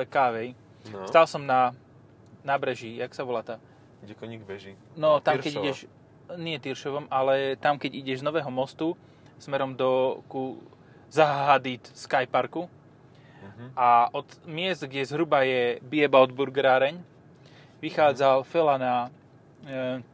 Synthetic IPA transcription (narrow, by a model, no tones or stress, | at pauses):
kaʋɛj | st̪alsɔmna | nabɾɛʒijaksaʋɔlat̪a | ɛkɔɲiɡbɛʒi | nɔt̪ammkɛɟiɟɛʃ | ɲɪɛt̪iɾʃɔʋɔmalɛt̪amkɛɟiɟɛʒznɔʋɛːɦɔmɔst̪u | smɛɾɔmd̪ɔku | zaɦad̪it̪skajpaɾku | ʔaʔɔt̪mɪɛzd̪ɡɟɛzɦɾubajɛbiɛbaɔd̪buɾɡɾaːɾɛɲ | ʋixaːd͡zalfɛlana